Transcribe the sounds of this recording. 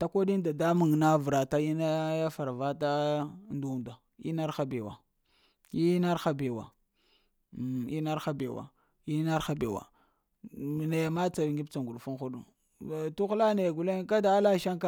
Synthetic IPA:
ta˦kʷo˦di˦nda˨da˦mu˨ŋ˨na˦vɾa˨ta˦i˦na˦ja˦fa˨ɾva˦ta˦ndu˦˨nda˨ | ḭ˦na˦ɾxa˦be˨wa̰˨ | i˦na˦ɾxa˦be˨wa̰˨ | i˦na˦ɾxa˦be˨wa̰˨ | i˦na˦ɾxa˦be˨wa̰˨ | na˨ja˨ma˦t͡sa˨i˨ŋɡi˦bt͡sa˨ŋɡu˨ɗfu˦nxu˦ɗu˨ | tu˦xla˦ne˨jɡu˨le˦ka˦da˨˦la˦ʃa˦ŋka˦

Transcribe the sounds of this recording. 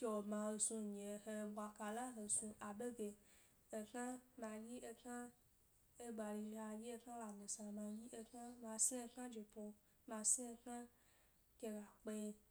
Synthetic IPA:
ke˨o˨mã˨ɦe˨sũ˧ɲẽ˨ɦe˨bʷa˨ka˨la˦ɦe˨sũ˧ʔa˨be˦ɡe˨ | e˨kã˦mã˧ji˦ʔe˦kã˦ | e˦ɡ͡ba˨ɾi˧ʒa˨ji˦e˦kã˦la˨mẽ˨sã˨mã˧ji˦ʔe˦kã˦mã˧sĩ˦e˦kã˦d͡ʒi˨po˧ | mã˧sĩ˦e˦kã˦ | ke˨ɣa˨k͡pe˦

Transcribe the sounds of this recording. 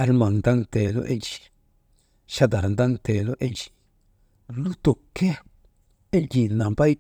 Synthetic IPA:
a˧lmã˨nd̪a˦nt̪e˨lo̰˦ʔe˦t͡ʃi̥˨ | ʃa˦d̪a˨ɾa˨nd̪a˦nt̪e˨lo˦ʔe˦t͡ʃi̥˨ | nũ˦t̪o˨ke˦ | e˦d͡ʒi˨nã˨mba˦i˦

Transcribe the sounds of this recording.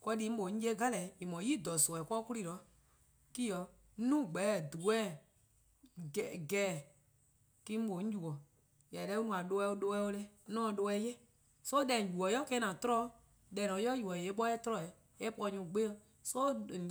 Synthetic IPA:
kɔ˧di˧˦m̩˦ɓo˨˦ɲ̩̃˦e˦ɡa˦lɛ˨˦i˨mɔ̃˨jiː˦˨dɔ˨sɔ˨ɛ˨kɔ˦ku˦li˦˨lɔ˨˦ | ki˦jɔ˧˦ | nũː˦˨ɡ͡bɛ˨˦˨du˨ɛː˦˨ | ɡɛː˨ | kĩ˦ɓo˨ɲ̩̃˦d͡ʒu˨ɔ˨ | ja˨lɛ˧˦u˦nũ˧˨ã˨lo˧ɛ˧˦o˧˦lo˧ɛ˧˦o˧lɛ˧˦nɔ̃ː˦˨˧ɗo˧ɛ˧˦jɛ˦ | so˦dɛ˨d͡ʒu˨ɔ˨jɔ˦kɛ˦˧˦nã˨tɔ˦ɾɔ˧ | dɛ˨lɔ˨˦jɔ˦ju˨ɔ˨je˨˦ɓɔ˦ɛ˦tɔ˦ɾɔ˧˨ɛ˨ | ɛ˦pɔ˧˦ɲũ˧˨ɡ͡be˦˧ | so˦˨

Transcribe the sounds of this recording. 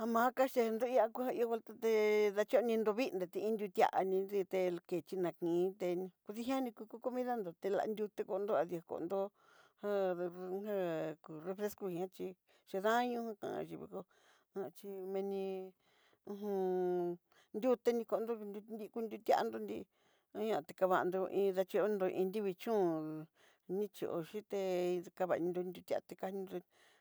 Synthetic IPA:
a˧mã˨˦ka˦ʃe˧nd̪o˦i˧˦a˧ku˧˦ha˧i˧o˧˦βo˧lt̪a˦t̪e˧ða˧t͡ʃo˦˧nĩ˧nd̪o˧βi˦nd̪e˨t̪ĩ˧˦nd̪ʲu˧t̪ʲa̰˧ʔa̰˧nĩ˧ði˧t̪e˧ke˨t͡ʃi˧nã˨kĩ˨˦t̪e˧ñ˧ku˧ði˦ɦʲã˦nĩ˧ku˧ku˧˦ko˧mĩ˦ða˦nd̪o˨t̪e˧la̰˧nd̪ʲu˧t̪e˧ko˧nd̪o˦a˧ði˧a˧ko̰˧ʔnd̪o˦ | hã˦˧hã˦ku˨re˧fɾe˦sku˧hĩ˧ã˦t͡ʃi˧ | ʃe˧ðã˦ɲũ˦hã˦kã̰˨ã̰˧ʒi˧˨βḭ˧ko˧ | a˧t͡ʃi˧mẽ˧nĩ˧ | ũ˧ɦũ˧ | nd̪ʲu˦t̪e˦nĩ˧ko˧nd̪o˦˧ni˧ku˧nd̪ʲu˧t̪ʲa̰˦ʔnd̪o˧nd̪i˧ | a˦ɲã˧t̪e˧ka˧βa˧nd̪o˧ʔĩː˧ða˧t͡ʃi˧o˦nd̪o˧ʔḭ̃˧nd̪i˦βi˧t͡ʃũ˦˨ | nĩ˦t͡ʃi˧˨ʔo̰˧ʃi˦t̪e˧ka˧βa˧˨˧ĩ˧nd̪o˧nd̪ʲu˧t̪ʲa̰˧t̪e˧ka˧nĩ˧nd̪o˧

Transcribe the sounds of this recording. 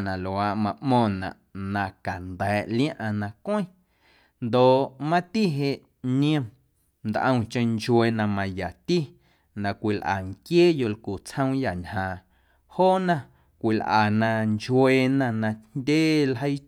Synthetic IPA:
nã˨lo˨a˧˨ʔmã˧ʔmɔ̃ː˧˨nã̰˨ʔnã˧ka˨nd̪ɛː˨ʔljã˦ʔã˧nã˧kʷə̃˦ | nd̪o˨ʔmã˦t̪i˦ɦe˧ʔ | ɲĩ˦ə̃˧ | nd̪ʔə̃˧w̃t͡ʃə̃˧nt͡ʃwe˧nã˧mã˧ja˨t̪i˦ | nã˨kʷi˨lʔa̰˨ŋkjeː˦jo˧˨lku˨t͡shə̃˦w̃ja˨ɲhãː˨ | hoː˦nã˧ | kʷi˨lʔa̰˨nã˧nt͡ʃwe˧nã˧nã˧ndʲeː˦lɦə˦j

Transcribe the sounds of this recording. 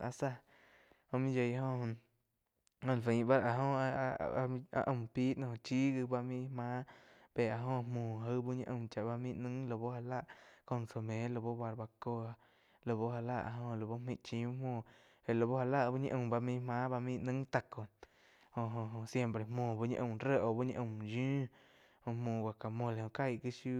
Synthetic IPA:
a˧sa˦˧ | ho˧mĩ˦d͡ʒe˧jɦõ˧ | õ˧˨lfẽ˨˧ba˦ɾa˧ɦõ˧a̰˧ʔə̃˧˨mpiː˦ʔnõ˧ht͡ʃi˦ɡɨ˧ba˧mĩ˧mãː˦ | pe˧˨a˧ɦõ˧mõː˧˨ɦə˦bu˦ɲḭ̃˧ʔɨ̃˧mt͡ʃa˧˨ʔba˧mĩ˦˧ʔnɨ̃˦ŋlo˧bo˦ha˧la˦ʔko˧˨nso˧mẽ˨˦lo˧bo˦ba˧ɾba˧ko˧a˧ | lo˧bo˦ha˧la̰˧ʔa̰˧˨ɦõ˧ʔlo˧bo˦mĩ˧ʔt͡ʃĩ˧˦mũː˧˨ | e˨lo˨˧bo˦ha˧la˦ʔbu˦ɲḭ̃˧ʔə̃˧˨mba˧mĩ˧mãː˦ba˧mĩ˧ʔnɨ̃˦ŋt̪a˧˨ko˨ | ho˧ɦõ˧ɦsje˧mpɾe˧˨mõː˧˨bu˧˦ɲə̰̃˧ʔə̃˧˨ɾe˦ʔo˧˨bu˦ɲə̃˧ʔə̃˧˨mjũː˦ | hõ˧hmũː˧˨wʷa˨ka˨mõ˧˨le˨õ˧˨ka˦jkɨ˦ʃu˦

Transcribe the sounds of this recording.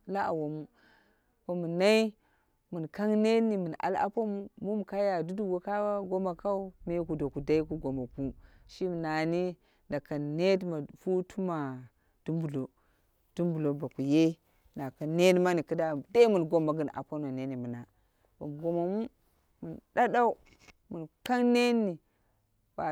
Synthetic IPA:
la˦a˨wo˨mu˦ | wo˨mu˨na˦i˦ | mu˨nka˦ŋne˦ni˨mu˨n˨a̰˨la̰˦po˦mu˦mu˦mu˨ka˦ja˨du˦du˦ɡo˦ka˦wa˦ɡo˦ma˨ka˦u˦me˦ku˨do˨ku˨da˦i˦ku˦ɡo˨ma˨ku˦ʃi˦m˨na˨ni˦ | nda˨ka˨ne˦dma˨fu˦tʰu˦ma˨ | d̥u˦mbu˨lo˨ | d̥u˦mbu˨lo˨˦ba˨ku˨je˦ | na˨ka˨ne˦dma˦ni˨ki˦da˦˨de˦mu˨nɡo˦mːa˨ɡɨ˦˨na̰˨po˦nma˨ne˦ni˨mu˨na˨ | ba˨mɡo˨ma˨mu˦ | mu˨nda˦da˦u˦ | mu˨nka˦ŋne˦nːi˨ | wa˨

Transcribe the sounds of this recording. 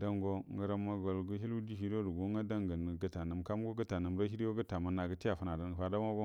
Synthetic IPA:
da˦mɡo˦ŋ˨ɡə˨ɾa˦ma˦ɡo˨lɡu˦ɦi˦lu˦di˦ɦi˦do˦ɾu˨ɡu˦ŋɡa˦da˦ŋɡə˨n˨ɡə˨ta˨na˨mka˦m˦ɡo˦ɡə˦ta˨nə˨m˦ɾa˦i˦ɾi˦wo˦ɡə˦ta˨ma˦nːa˨ɡə˦ti˦ja˨fa˦na˨da˦n˨ə˨fa˦da˦a˦o˦

